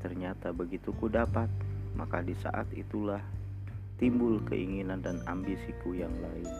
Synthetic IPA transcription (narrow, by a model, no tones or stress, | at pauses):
t̪ərɲat̪abəɡit̪ukudapat̪̚makadisa̰ʔa̰t̪ḭt̪ulah | t̪imbʊlkə̰ʔiŋinandana̰mbisikujaŋlaɪn